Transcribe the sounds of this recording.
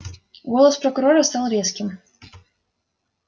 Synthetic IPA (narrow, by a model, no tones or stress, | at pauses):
ɡɔlˠɐspɾɐkʊɾɔɾɐst̪ɑlˠɾʲeskʲɪm